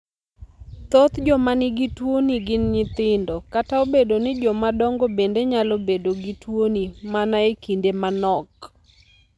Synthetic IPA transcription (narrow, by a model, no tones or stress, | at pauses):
t̪ot̪d͡ʒɔmanɪɡitwoniɡɪnɲɪt̪ɪndokataobedonɪd͡ʒɔmadɔŋɡobendeɲalobedoɡitwonimanaekindemanɔk